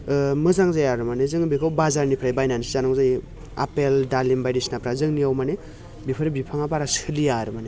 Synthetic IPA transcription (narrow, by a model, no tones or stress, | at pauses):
mɯzaŋzajaɾɯmanezɯŋbikʰawbazaɾnipʰɾajbajnansizanɔŋzaj | a̰peldalimbajdisnapʰɾazɯŋniawmane | bipʰɯɾibipʰaŋabaɾasɯlijaɾɯmane